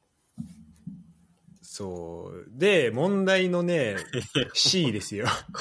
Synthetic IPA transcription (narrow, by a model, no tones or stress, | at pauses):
soːd̪e̞mõ̞nd̪aino̞ne̞ | ɕiːd̪e̞sɨjo̞k